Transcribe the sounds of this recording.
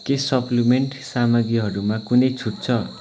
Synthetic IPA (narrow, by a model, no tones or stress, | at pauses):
kesʌplimeɳʈsamʌɡiɦʌɾumakunʌjt͡sʰuʈ̚t͡sʰʌ